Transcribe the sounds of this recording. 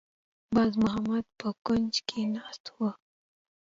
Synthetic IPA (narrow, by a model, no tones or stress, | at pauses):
bɑzmʊɦamad̪̚pəkʊnd͡ʒkʰenɑst̪wa